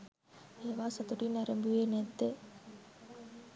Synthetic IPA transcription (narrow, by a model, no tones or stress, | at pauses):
eːʋaːsɐt̪uʈinɐɾembueːnet̪ːe